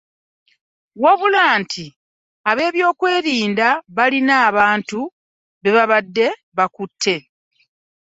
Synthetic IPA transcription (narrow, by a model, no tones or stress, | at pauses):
waβulaːntʰi | aβe̞ːβjo̞ːkwe̞ːɾiːndaβalinaːβaːntu | βeβaβadːe̞ | βakutʰːe̞